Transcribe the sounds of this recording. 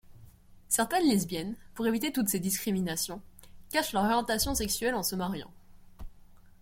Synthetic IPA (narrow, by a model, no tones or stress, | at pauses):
sɛʁt̪ɛnlizbjɛnpuʁevit̪et̪ut̪sed̪iskχiminasjɔ̃kaʃlœʁɔʁjɑ̃t̪asjɔ̃sɛksɥɛlɑ̃səmaʁjɑ̰̃